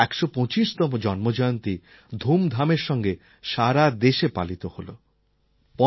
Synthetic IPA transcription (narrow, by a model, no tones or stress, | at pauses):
ɛkʃopɔ̃t͡ʃiʃt̪ɔmod͡ʒɔnmod͡ʒɔjont̪i | d̪ʱumd̪ʱameɾʃɔŋɡe | ʃaɾad̪eʃepa̰lit̪oholo̰ | pɔ